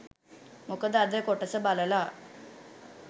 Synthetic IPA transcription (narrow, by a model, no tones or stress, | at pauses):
mokəd̪ad̪ekoʈəsəbaləla